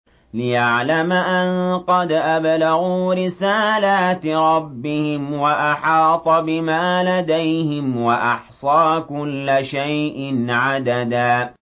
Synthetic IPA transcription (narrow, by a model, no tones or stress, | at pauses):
lɪjaʕlamaʔanqɑd̪ʔablaɣuːɾɪsaːlaːt̪ɾˤɑbːɪhɪmwaʔaħɑːt̪ˤɑbɪmaːlad̪ajhɪmwaʔɑħsˤɑːkʊlːɪʃajʔɪnʕad̪ad̪aː